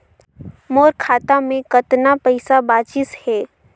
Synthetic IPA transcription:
moːɾkʰaːt̪amẽkɐt̪napɛɪsabaːt͡ʃɪshɛː

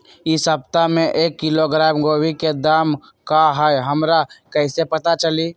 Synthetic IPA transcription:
ɪsəb̚t̪amẽʔeːkːɪloɡɾaːmɡoːwiked̪aːm | kaɦəjɦəmɾakəɪsepət̪at͡ʃəli

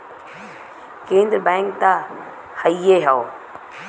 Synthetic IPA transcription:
kẽːnd̪ɾəbɛ̃ːŋkt̪a | haieɦao

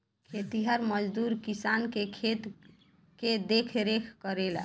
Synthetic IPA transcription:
kʰet̪iɦəɾməd͡ʒd̪uɾkisankekʰet̪ | ked̪ekʰɾekʰkəɾel

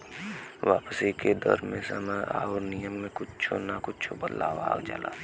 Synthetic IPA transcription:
ʋaːpsiked̪ɔ̰ɾmẽsəməa̰ːoɾnijəmːẽkʊt͡ʃt͡ʃʰonakʊt͡ʃʰobəlːa̰bʱa̰ːɡd͡ʒa̰la̰ː

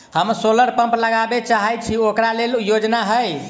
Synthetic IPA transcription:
həmsoləɾpə̃mpləɡabet͡ʃaɦɛjt͡ʃʰiokɾaleljod͡ʒnaɦəj

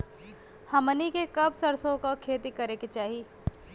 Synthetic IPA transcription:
hɐmənikekɐbsɐɾsõkokʰeːt̪ikɐɾeket͡ʃaːɦieː

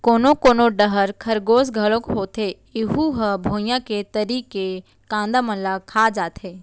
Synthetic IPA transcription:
koːnokoːnoɖəɦəɾkʰɐɾɡoːsɡʱəlõkɦoːt̪e | ɪɦuɦəbʱoːjãket̪əɾiːke | kãːnd̪amə̃nlakʰaːd͡ʒaːt̪ɦeː

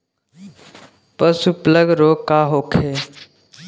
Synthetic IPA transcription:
pəsupləɡɾoːkːaɦoːkʰe

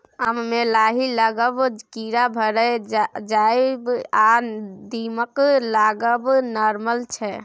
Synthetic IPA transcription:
əmːelaɦiləɡəbkiɾabʱəɾɛd͡ʒaebad̪iməklaɡəbnɔɾməlt͡ʃʰɛ

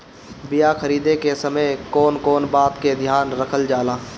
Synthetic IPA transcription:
bɪjaxəɾiːd̪ekesəməjkɔːnkɔːnbaːt̪ked̪ʱjaːnɾəkʰəld͡ʒaːlaː

